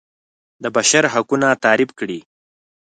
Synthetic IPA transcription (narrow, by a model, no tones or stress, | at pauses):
d̪əbaʃaɾɦakunat̪ɑːɾɪbkɽi